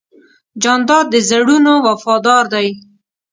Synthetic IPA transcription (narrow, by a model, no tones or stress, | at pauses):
d͡ʒɑnd̪ɑd̪̚d̪əzaɽunowafɑd̪ɑɾd̪aj